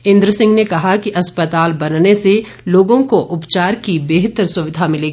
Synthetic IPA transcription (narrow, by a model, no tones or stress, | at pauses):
ɪ̃nd̪ɾəsɪ̃ŋɡnekɐɦakiʔɐspət̪aːlbɐnnese | loːɡõkoʔʊpt͡ʃaːɾkibeɦɪt̪ɾsʊʋɪd̪ʱamɪleːɡiː